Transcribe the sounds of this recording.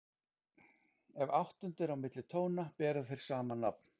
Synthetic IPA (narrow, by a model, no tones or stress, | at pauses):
ɛvawht̪ʏnt̪ɪɾawmɪt̪lɪt̪ʰoːwnapɛːɾʏðθfejɾ̥saːmanapn̥